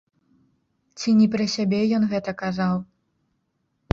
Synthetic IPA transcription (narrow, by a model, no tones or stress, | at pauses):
t͡sʲinʲɛpɾɐsʲabʲɛjɔnɣɛt̪ɐkazaw